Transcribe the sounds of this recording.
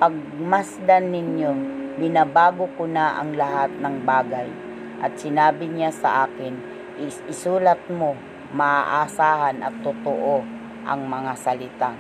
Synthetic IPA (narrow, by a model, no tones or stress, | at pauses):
paɡ̚masd̪anːɪɲjobɪnabaːɡʊkʊnaʔa̰ŋlaɦat̪̚nɐŋbaːɡaj | ʔɐt̪̚sɪnaːbɪɲasa̰ʔaːkɪn | ɪsuːlat̪̚mo | maʔaʔasaːɦanɐ̰t̪ːʊt̪oʔo | ʔɐ̰ŋmɐŋasalɪt̪a